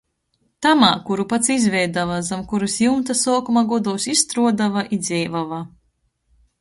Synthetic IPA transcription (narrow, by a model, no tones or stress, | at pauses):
t̪amaːkuɾupat̪sizvʲɛjd̪avazamkuɾusjunt̪asɔːkumaɡɔd̪ɔwsist̪ɾuɔd̪avaʔid̪zʲɛjvava